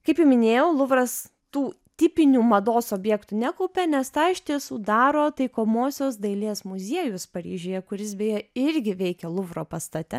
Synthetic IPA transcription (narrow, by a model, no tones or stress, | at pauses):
kɐɪpjʊmʲɪnʲeːjɛʊlˠʊʋrɐs | t̪uː | t̪ʲɪpʲɪnʲuːmɐd̪oːsoːbʲjɛːkt̪unʲækɐʊpʲɛnʲɛst̪ɑːɪʃʲt̪ʲiɛsuːd̪ɑːɾoːt̪ɐɪkoːmoːsʲoːs̬d̪ɐɪlʲeːsmʊzʲiɛjʊspɐɾʲḭːʒʲojɛkʊɾʲɪsbʲejɛɪɾʲɡʲɪʋʲɛɪkʲɛlˠʊʋro̰ːpɐst̪ɐt̪ʲɛ